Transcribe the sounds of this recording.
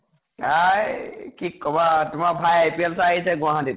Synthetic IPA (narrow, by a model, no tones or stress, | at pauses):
ajkʰikːɔbatʊmaɹbʱajajpiɛlsaaɦisɛɡʊ̃aɦãdit